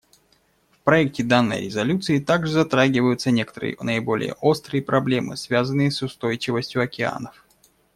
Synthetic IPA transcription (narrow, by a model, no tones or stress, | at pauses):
fpɾɐɛk̚tʲɪd̪anːə̰jɾʲɪzɐlʲut̪sɨɪt̪aɡʐɨzɐt̪ɾaɡʲɪvəjʊt̪sənʲe̞kə̥t̪əɾɨ̰jə̰nəɪbo̞lʲɪ̰jə̰ʔo̞st̪ɾɨjəpɾɐblʲe̞mɨ̰svʲazənːɨjəsʊst̪o̞jt͡ɕɪvəsʲtʲjʊɐkʲɪa̰nəf